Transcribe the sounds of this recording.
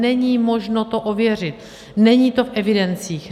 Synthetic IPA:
ɛɲiːmo̞ʒno̞t̪o̞ʔovjɛr̝ɪt̪ | nɛɲiːt̪o̞fʔɛvɪdɛnt͡siːx

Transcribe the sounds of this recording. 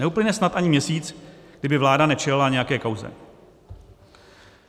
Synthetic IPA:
ɛuplɪɲɛsnat̪ʔaɲɪmɲɛsiːt͡sɡ̥dɪbɪvlaːdanɛt͡ʃɛlɪlaɲɛjakɛːkawzɛ̰

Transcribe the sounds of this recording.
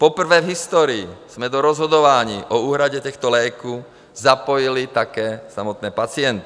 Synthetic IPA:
pɔpr̩ʋɛːvɦist̪ɔːɾiːz̥mɛd̪ɔɾɔzɦɔd̪ɔʋaɲiːʔɔuːɦɾaɟɛt̪ɛxt̪ɔlɛːku | zapɔjilit̪akɛːsamɔt̪nɛːpat͡sɪɛnt̪i̥

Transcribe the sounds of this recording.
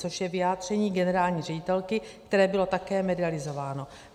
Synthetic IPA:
t͡soʃjɛvɪjaːd̪r̝̥ɛɲiːɡɛnɛɾaːlɲiːrɛɟɪt̪ɛlkɪkt̪ɛɾɛːbɪlo̞t̪akɛːmɛdɪalɪzo̞vaːno̞

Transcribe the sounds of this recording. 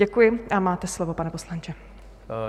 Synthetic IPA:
ɛkujɪʔamaːt̪ɛslovo̞panɛpo̞slant͡ʃɛ

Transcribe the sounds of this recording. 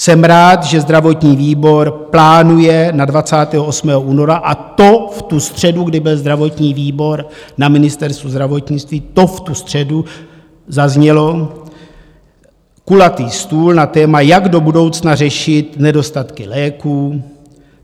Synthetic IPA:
sɛmɾaːt̪ʒɛzd̪ɾavo̞t̪ɲiːviːbo̞ɾplaːnujɛnadvat͡saːt̪ɛːɦoosmɛːɦoʔuːno̞ɾaʔat̪o̞ft̪ust̪r̝̥ɛduɡdɪbɪlzd̪ɾavo̞t̪ɲiːviːbo̞ɾnamɪnɪst̪ɛɾst̪vuzd̪ɾavo̞t̪ɲɪt͡st̪viːt̪o̞ft̪ust̪r̝̥ɛdu | zazɲɛlo̞ | kulat̪iːst̪uːlnat̪ɛːmajaɡdo̞budo̞wt͡snar̝ɛʃɪt̪nɛdo̞st̪at̪kɪlɛːkuː

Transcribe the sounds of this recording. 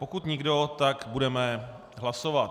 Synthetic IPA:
pokut̪ɲɪɡdo̞t̪akbudɛmɛ | ɦlasovat̪̚

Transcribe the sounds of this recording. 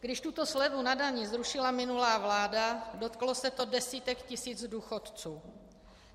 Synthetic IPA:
ɡ̥dɪʃt̪ut̪o̞slɛvunadaɲɪzɾuʃɪlamɪnulaːvlaːdado̞t̪klo̞sɛt̪o̞dɛsiːt̪ɛkcɪsiːd͡zduːxot̪t͡suː

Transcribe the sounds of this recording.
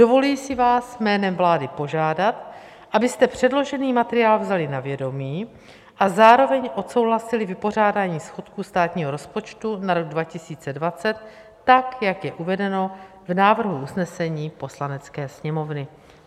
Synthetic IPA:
d̥o̞vo̞liːsɪvaːsmɛːnɛmvlaːdɪpo̞ʒaːdat̪ | ʔabɪst̪ɛpr̝̥ɛdlo̞ʒɛniːmat̪ɛɾɪjaːlvzalɪnavjɛdo̞miː | ʔazaːɾo̞vɛɲʔo̞t̪so̞wɦlasɪlɪvɪpo̞r̝aːdaːɲiːsxot̪kust̪aːt̪ɲiːɦo̞ɾo̞spo̞t͡ʃt̪unaɾo̞ɡ̚dvacɪsiːt͡sɛdvat͡sɛt̪ː | akjakjɛʔuvɛdɛno̞ | vnaːvr̩ɦuusnɛsɛɲiːpo̞slanɛt͡skɛːsɲɛmo̞vnɪ

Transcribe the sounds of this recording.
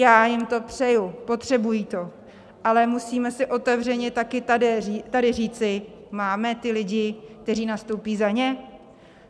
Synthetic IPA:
jaːjɪmt̪o̞pr̝̥ɛjupo̞t̪r̝̥ɛbujiːt̪o̞ | ʔalɛmusiːmɛsɪʔo̞t̪ɛvrɛɲɛt̪akɪt̪aɛit̪adɪriːt͡sɪ | maːmɛt̪ɪlɪɟɪk̚t̪ɛriːnast̪owpiːzaɲɛ

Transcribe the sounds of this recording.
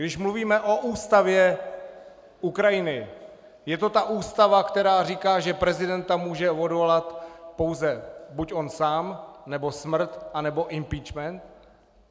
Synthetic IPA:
ɡdɪʃmluviːmɛʔo̞ʔuːst̪avjɛ | ʔukɾajɪnɪ | jɛt̪o̞t̪aʔuːst̪avakt̪ɛɾaːr̝iːkaːʒɛpɾɛzɪdɛnt̪amuːʒɛvo̞dvo̞lat̪po̞wzɛbucʔo̞nsaːmnɛbo̞smr̩t̪ʔanɛbo̞ʔɪmpiːt͡ʃmɛnt̪

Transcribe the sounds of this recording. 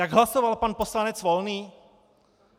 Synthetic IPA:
jaɡɦlasovalpanposlanɛt͡svolniː

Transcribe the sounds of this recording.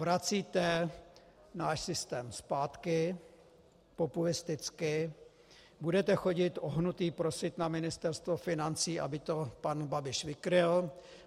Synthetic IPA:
vɾat͡siːt̪ɛ | naːʃsɪst̪ɛːmspaːt̪kɪ | populɪst̪ɪt͡skɪ | budɛt̪ɛxo̞ɟɪt̪ʔoɦnut̪iːpɾo̞sɪt̪namɪnɪst̪ɛɾst̪vofɪnant͡siːʔa̰bɪt̪o̞panbabɪʃvɪkɾɪl

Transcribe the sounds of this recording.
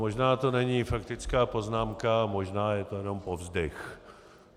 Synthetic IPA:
moʒnaːt̪o̞nɛɲiːfakt̪ɪt͡skaːpo̞znaːmkamo̞ʒnaːjɛt̪o̞jɛno̞mpovzdɛx

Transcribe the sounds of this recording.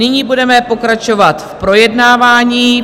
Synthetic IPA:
ɪɲiːbudɛmɛpo̞kɾat͡ʃo̞vat̪fpɾo̞jɛdnaːvaːɲiː

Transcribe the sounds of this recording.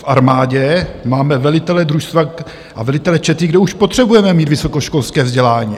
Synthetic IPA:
fʔaɾmaːɟɛmaːmɛvɛlɪt̪ɛlɛd̪ɾuʃst̪va | ʔa̰vɛlɪt̪ɛlɛt͡ʃɛt̪ɪɡdɛuʃpot̪r̥ɛbujɛmɛmiːt̪vɪso̞ko̞ʃko̞lskɛːvzɟɛlaːɲḭː

